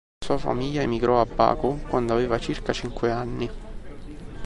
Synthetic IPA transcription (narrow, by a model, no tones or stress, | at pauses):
suːafa̰miʎːaemiɡɾʔɔabːa̰ːkʊkwand̪oaveːvat͡ʃirkat͡ʃiŋkweanːi